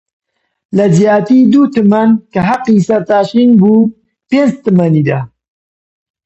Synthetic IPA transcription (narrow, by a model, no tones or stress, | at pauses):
lɐzjaːt̪iːd̪uːt̪ɨmɐnkɐɦɐqːisɐɾt̪aːʃiːnbuː | peːnd͡ʒt̪ɨmɐniːd̪aː